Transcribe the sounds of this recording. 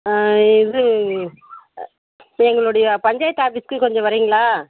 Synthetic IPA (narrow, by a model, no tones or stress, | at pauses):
ɪðɯ | ɛŋɡɐɭoɽɐjɐpɐɲd͡ʒaːjɐt̪ːaːbɪskɯkɔɲd͡ʒɔ̃ʋɐɾiːŋɡɐɭaː